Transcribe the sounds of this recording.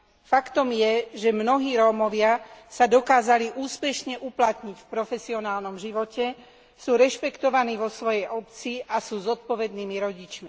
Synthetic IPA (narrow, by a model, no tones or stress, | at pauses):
fakt̪ɔmjɛʒɛmnɔɦiːɾɔːmɔʋɪasad̪ɔkaːzaliʔuːspɛʃɲɛʔuplat̪ɲicfpɾɔfɛsiɔnaːlnɔmʒiʋɔcɛ | suːɾɛʃpɛkt̪ɔʋaniːʋɔsʋɔjɛjʔɔpt͡siʔasuːzɔt̪̚pɔʋɛd̪̚niːmiɾɔɟit͡ʃmi